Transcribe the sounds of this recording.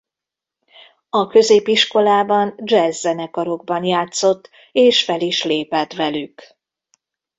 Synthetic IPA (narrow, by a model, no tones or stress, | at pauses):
ɒkø̞zeːpiʃko̞laːbɒnd͡ʒɛzːɛnɛkɒɾo̞ɡ̚bɒnjaːt̪so̞t̪ː | eːʃfɛliʃleːpɛt̪ʋɛlyk